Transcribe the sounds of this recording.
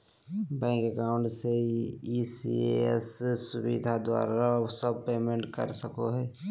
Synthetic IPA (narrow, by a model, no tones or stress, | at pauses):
bɛ̃ːŋkɛkaːʊ̃ɳʈseisḭḛɛssʊbḭd̪ʱad̪wa̰ːɾasəb̚peːmẽɳʈkə̰ɾsəkoɦɛː